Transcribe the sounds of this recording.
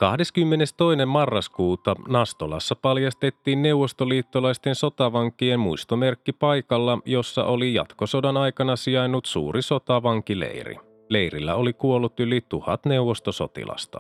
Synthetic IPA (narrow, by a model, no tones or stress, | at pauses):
kɑhde̞skymːe̞nest̪o̞jne̞mmɑrːɑskuːt̪ɑnɑst̪olɑ̰sːɑpɑljɑst̪e̞t̪ːiːnne̞wʋo̞st̪oliːt̪ːolɑjst̪e̞nso̞t̪ɑʋɑŋkːiemmuist̪ome̞rkːipɑjkɑlːɑjo̞sːɑ̰ʔo̞lijɑ̰t̪ko̞so̞dɑnɑjkɑnɑsiɑjnːut̪sṵːriso̞t̪ɑʋɑŋkilḛjrḭ | le̞jrilːæ̰o̞likuo̞lːut̪ylit̪uhɑ̰t̪ne̞uʋːost̪oso̞̰t̪ḭlʔɑ̰st̪ɑ̥̰